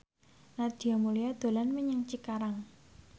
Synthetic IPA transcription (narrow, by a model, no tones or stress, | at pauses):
nard̪̥i̤amulijad̪̥o̤lanməɲaŋt͡ʃikaɾaŋ